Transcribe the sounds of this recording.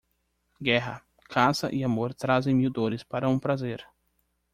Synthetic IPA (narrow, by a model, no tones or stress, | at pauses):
ɡɛɦɐ̰ | kʰãsɐʔɪamoɾt̪ɾazẽj̃miwd̪oɾɪspaɾɐũpɾazeɾ